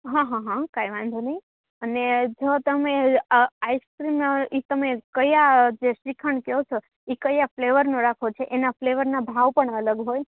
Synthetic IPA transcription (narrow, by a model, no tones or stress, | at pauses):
ɦãɦãɦãkajʋãnd̪ʱonəi | əned͡ʒot̪əmeaiskɾimit̪əmekəjad͡ʒeʃikʰəɳkeɦot͡ʃʰo | ikəjafleʋəɾnõɾakʰot͡ʃʰeʔenafleʋəɾnabʱaʋpəɳələɡɦoj